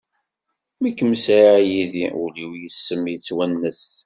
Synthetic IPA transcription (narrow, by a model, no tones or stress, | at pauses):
mikːəmsaɾajiðiuliwjəsːəmjət͡sːwænːəs